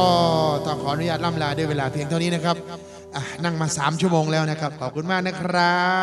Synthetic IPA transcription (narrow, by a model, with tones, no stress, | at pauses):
ɔː˧˩t̪ɔː˧˩kʰɔː˩˦ʔnu˥jaː˧˩t̪̚la˥˩mlaː˧du˥˩jweː˧laː˧pʰi˧əŋt̪ʰaː˧˩niː˦˥na˦˥kʰɾa˦˥p̚ | ʔaː˨˧˩na˥˩ŋmaː˧saː˩˦mt͡ɕʰu˥˩əmoː˧ŋlɛː˦˥wna˦˥kʰa˦˥p̚kʰɔː˨˩kʰu˧nmaː˥˩k̚na˦˥kʰɾa˦˥